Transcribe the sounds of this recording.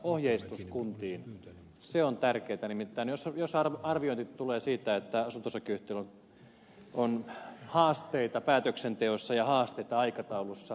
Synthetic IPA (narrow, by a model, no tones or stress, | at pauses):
ohjeist̪uskunt̪iːn | seont̪ærkeit̪ænimit̪ːæːnjosjosɑrɑrʋioint̪it̪t̪uleːsiːt̪æet̪ːæɑsunt̪osɑkyht̪ːelon | onhɑːst̪eit̪ɑpæːt̪øksent̪eosːɑjɑhɑːst̪eit̪ɑɑikɑt̪ɑulusːɑ